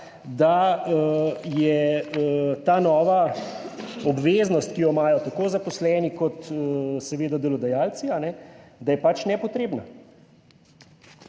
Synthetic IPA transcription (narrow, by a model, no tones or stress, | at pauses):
d̪a | jɛ | t̪aːnɔːʋa | ɔbʋeːznɔst̪̚kijɔmaːjɔt̪akoːzapɔslɛːnikɔt̪əsɛʋeːd̪ad̪ɛlɔd̪ajaːlt̪sianɛd̪ajɛpat͡ʃnɛpɔt̪ɾeːbna